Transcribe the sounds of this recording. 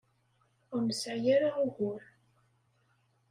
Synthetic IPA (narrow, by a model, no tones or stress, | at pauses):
ʊɾməsʕjaɾaʊʝʊɾ